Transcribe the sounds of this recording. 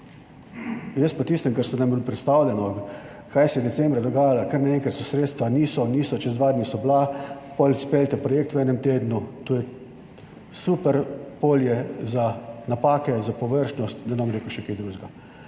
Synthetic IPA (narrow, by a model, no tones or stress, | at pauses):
jəst̪pat̪iːst̪əmkaɾsɔnambilpɾɛt̪st̪aːwlʲjɛnɔ | kajsɛjɛd̪ɛsɛmbɾad̪ɔɡaːjalakəɾnaɛ̃ŋkɾat̪sɔsɾeːt̪st̪ʋaniːsɔniːsɔt͡ʃɛzd̪ʋaːd̪nisɔblapɔlʲspeːlʲt̪ɛpɾɔjeːkt̪ʋwɛːnɛmt̪eːd̪nut̪oːjɛ | supɛɾpoːljɛzanapaːkɛzapɔʋəɾʃnɔst̪d̪ɛnamɾeːkuʃɛkeːjd̪ɾuːʒɡa